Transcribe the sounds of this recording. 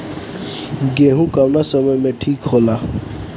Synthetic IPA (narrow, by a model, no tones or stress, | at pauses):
ɡeɦũkawnasəməjmẽʈʰiːkhola